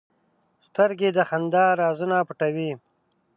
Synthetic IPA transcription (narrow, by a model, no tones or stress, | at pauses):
st̪əɾɡed̪əxand̪ɑːɾɑːzunapʊʈawi